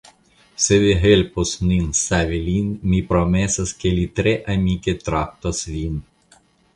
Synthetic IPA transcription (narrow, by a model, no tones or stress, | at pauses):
seʋeɦelʲposnʲinsaʋʲelʲinmʲipɾɔmɛsɐskʲelʲit̪ɾʲeʔɐmʲikʲet̪ɾap̚t̪ɔsʋʲin